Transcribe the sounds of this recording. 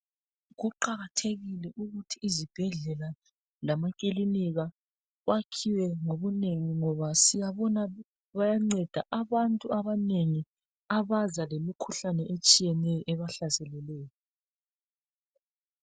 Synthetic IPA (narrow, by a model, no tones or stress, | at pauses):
ɣuǃaɣatʰeɣilɛʔuɣutʰiːzib̥ʱɛɮɛla | lamakʼiliniɣa | wakʰiwɛŋoβuneŋiŋɔβasijaβɔna | βajaŋ͡ǀɛd̥ʱaʔaβantʼuaβaneŋi | aβazalemikʰuɬanɛʔet͡ʃʼijɛnɛjɔʔɛβaɬazɛlɛlɛːjɔ